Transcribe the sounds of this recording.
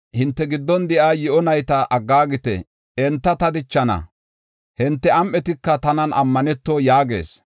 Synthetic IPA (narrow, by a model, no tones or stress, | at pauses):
hɪnt̪ːɛɡɪd̪ːɔnd̪ɛʔaːjɪʔɔnɐjt̪ɐʔɐɡːaːɡɪt̪ɛ̰ | ɛnt̪ːɐt̪ɐd̪ɪt͡ʃːɐnɐ̰ | hɪnt̪ːɛɐmʔɛt̪ɪkːɐt̪ɐnɐnɐmːɐnɛt̪ːoːjaːɡe̞̰ːs